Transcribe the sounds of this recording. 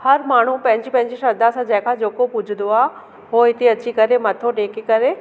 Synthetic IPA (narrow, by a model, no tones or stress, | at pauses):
hɐɾmaːɳ̤upɐ̃ɦɪ̃ɲd͡ʑipɐ̃ɦɪ̃ɲd͡ʑiʃɐd̪asãd͡ʑɐ̃ɦɪ̃kʰãd͡ʑeːkopʊd͡ʑʱɪn̆d̪oaː | ɦoɦɪt̪eɐt͡ɕikɐɾemɐt̪ʰoɖeːkekɐɾe